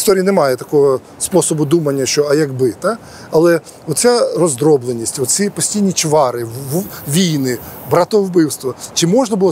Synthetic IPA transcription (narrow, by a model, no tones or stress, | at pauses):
st̪ɔɾʲijɐnɛmɑjɛt̪ɐkɔɦɔ | spɔsɔbʊd̪umɐnʲːɐʃt͡ʃɔɐjɐɡbɪt̪a | ɐlˠɛ | ɔt̪t͡sʲarɔzd̪ɾɔblˠenʲːisʲtʲʋɔt̪t͡sʲsʲipɔsʲtʲijnʲit͡ʃʋɑɾɪʋʲijnɪbɾɐt̪ɔwbɪwst̪ʋɐt͡ʃɪmɔʒnɐbʊlˠɔ